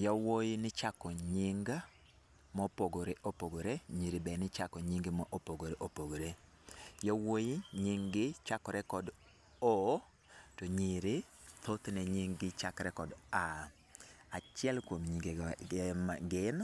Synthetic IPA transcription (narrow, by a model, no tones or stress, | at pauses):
jawojnɪt͡ʃakɔɲiŋɡa | mɔpoɡoɾeʔopoɡoɾeɲiɾibɛnɪt͡ʃakɔɲiŋɡɪmɔʔopoɡoɾeʔopoɡoɾe | jɔwojiɲiŋɡɪt͡ʃakɔɾɛkɔd | ɔ | tɔɲiɾɪ | t̪ʰot̪nɛɲiŋɡɪt͡ʃakɾɛkɔda | at͡ʃɪɛlkwomɲiɡemaɡɪn